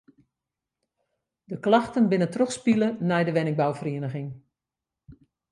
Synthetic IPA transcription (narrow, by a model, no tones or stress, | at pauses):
dəklaxtənbɪnətrɔxspilənɛjdəʋɛnɪŋ̚bawfriənəɣɪŋ